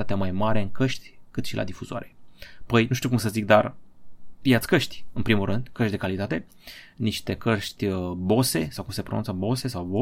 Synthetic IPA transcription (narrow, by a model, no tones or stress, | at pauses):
at̪emajmaɾe̞ɨŋkəʃt̪ʲkɨt̪ʃilʔa̰d̪ifuzoa̰ɾe̞pəjnuʃt̪iuk̬umsəzik̚d̪ar | pijat̪sʲkəʃt̪ʲɨnpɾimulʔɨnd̪kəʃt̪ʲd̪e̞kalit̪at̪e̞ | niʃt̪e̞kəʃt̪ʲbo̞se̞sawkumse̞pɾonunt̪səbo̞se̞sawbo